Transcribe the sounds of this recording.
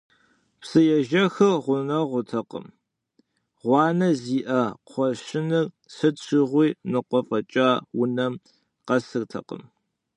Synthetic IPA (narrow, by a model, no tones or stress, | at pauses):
psɨjɛʒɐxɨrʁʷʊnɐʁʷʊtʰɐqə̰m | ʁʷɑːnɐziːʔɐqʷʰɔʃɪnɨr | sɨt͡ʃʰɪʁʷiːnɨqʷɔfʼɐt͡ʃʼaːwʊnɐm | qɐsɨrtʰɐ̰qə̰m